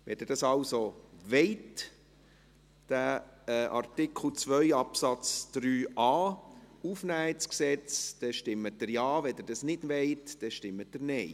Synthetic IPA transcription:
ʋɛdəɾd̥ɑsɑwsoʋeɪt | d̥æʔɑ̰ɾtɪkʰl̩ˠt͡svœʏɑpsɑt͡sd̪̥ɾyːʔɑːufnæːisksɛt͡sd̥ɛʃtɪmːəd̥əɾjɑːʋɛdəɾd̥ɑsnɪdʋeɪtd̥ɛʃtɪmːət̚dəɾnɛɪ

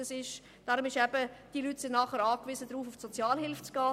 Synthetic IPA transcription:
əsɪʃ | d̥ɑːɾʊmɪʃɛb̥əd̥iːlyːtsɪnnɑːχəɾɑːkvizədɾuːfʊfsɔt͡sjɑːlhɪlft͡sɡ̥ɑː

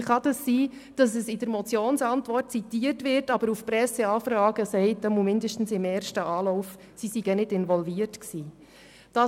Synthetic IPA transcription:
χɑd̥ɑsːiːd̥ɑsɛsɪd̥əɾmɔt͡sjoːnsɑntʋɔrt̚t͡sitiːərtʋɪrtɑb̥əɾufpɾɛsəɑːfɾɑːɡəsɛɪtəmumɪndəʃtn̩sɪmɛːɾʃtəʔɑːlɔʊf | sisiɡ̥ənɪdɪnvɔlviːərtksiː | d̥ɑ

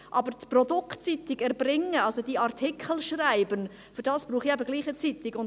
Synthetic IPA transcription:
ʔɑbəɾt͡sprɔdʊktt͡sit̪ɪɡɛɾbrɪŋəɑlsod̥iɑʁtʰikχəl̩ʃraɪbən | fʏɾd̥ɑːsb̥ɾuːχiɛbəɡliːχət͡sit̪ɪɡʊn

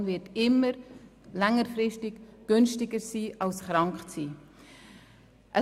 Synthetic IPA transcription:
nvɪtɪmːəɾ | lɛŋərfrɪstɪɡɡ̥ʏnstɪɡəɾsiːʔɑlsχɾɑŋkt͡siː | ʔə

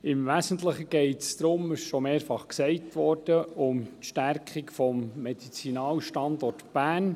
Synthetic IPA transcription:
ɪmʋæsən̩tləχəɡ̥ɛɪtsd̪̥ɾʊmɪʃʃɔmeːɾfɑχksɛɪtʋɔrd̥əʊmtʃtæɾkχikfɔmːɛd̥it͡sinɑːwʃtɑndɔrtb̥æːn

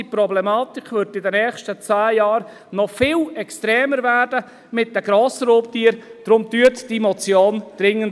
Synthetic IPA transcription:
ipɾɔblɛmɑːtɪkʰvʏɾtɪdənɛːχʃtət͡saːjɑːɾ | nɔfɪːlɛkstɾɛːməɾvæːɾdə | mɪt̚dəɡ̥ɾoːsəɾoːptiːəɾd̥ɾʊmtyətd̥imɔt͡sjoːnd̥ɾɪŋːənt

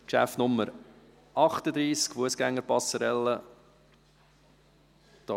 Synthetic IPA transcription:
kʃæ̰ftnʊmːəɾ | ʔɑχt̪əd̪ɾiːskfuəsɡ̥æŋːəɾpɑsəɾɛlːə | d̪̥ɑ

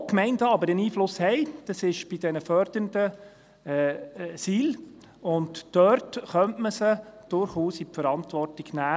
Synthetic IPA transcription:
okmɛɪndəɑbəɾəniːflʊshɛɪd̥ɑsɪʃb̥idɛnəfœɾd̥ənd̥ə | siːl | ʊndːœɾtχœntməsəd̥ʊɾχuːsipfəɾɑntʋɔrtiɡ̥næː

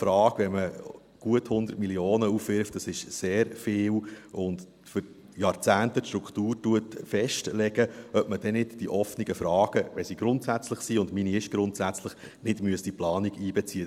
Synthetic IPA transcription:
fɾɑːɡ̥vɛmə | ɡ̥uəthʊnd̪ərtmilioːnəufʋɪɾftd̥ɑsɪʃseːɾfeːwʔʊnd | fʏɾ | jɑːɾt͡sæːntətʃtɾukχtuːɾtuətfɛʃtlɛɡ̥əœpməd̥ɛnɪtd̥iʔɔfniɡəfɾɑːɡ̥əʋɛsiɡ̥ɾʊntsæt͡sləχsiːʊndminiɪʃɡ̥ɾʊntsæt͡sləχ | nɪdmyəstd̥iplɑːniɡiːbɛt͡siːə

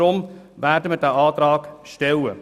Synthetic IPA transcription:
ʊm | væːɾdəmədæːʔɑːtɾɑːkʃtɛlə̰

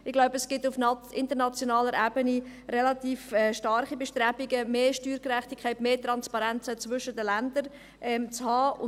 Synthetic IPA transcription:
ɪɡ̥laʊbəɛsɡ̥ɪtʊfnʔɪntəɾnɑt͡sjonɑːləɾæːbənirɛlɑtiːfɛʃtɑɾχibɛʃtɾɛbɪɡəmeːʃtyːɾkrɛχtikʰɛɪtmeːtɾɑnspɑɾɛnt͡sət͡svʏʃədəlændəɾ | ʔɛmt͡shɑːʊ

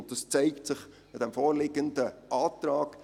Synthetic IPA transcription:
nt̚d̥ɑst͡sæɪktsɪχ | ɪd̥̪ɛmfɔːɾlɪɡəndəʔɑːtɾɑːɡ̥

